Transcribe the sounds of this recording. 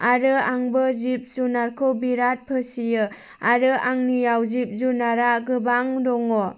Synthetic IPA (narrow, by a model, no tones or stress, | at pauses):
aɾɯaŋbɯzip̚zunaɾkʰɯwbiɾat̚pʰɯsijɯ | aɾɯʔaŋnijawzip̚zunaɾaɡɯbaŋdɔŋɔ